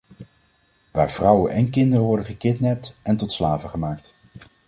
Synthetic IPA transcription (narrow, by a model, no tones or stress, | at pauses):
ʋa̰ːɹvrʌwənʔɛnkɪndərəʋɔɹdəχəkɪtnɛp̚tɛntɔtslaːvəχəmaːkt